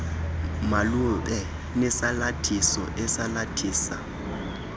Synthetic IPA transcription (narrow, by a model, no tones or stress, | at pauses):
maluɓɛ | nɛsalatʰisɔ̰ʔɛsalatʰiːsa